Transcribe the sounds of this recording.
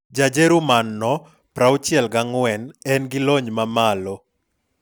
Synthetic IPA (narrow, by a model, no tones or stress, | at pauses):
d͡ʒad͡ʒeɾumanːɔ | pɾawt͡ʃjɛlɡaŋwɛnɛnɡɪlɔɲmamalɔ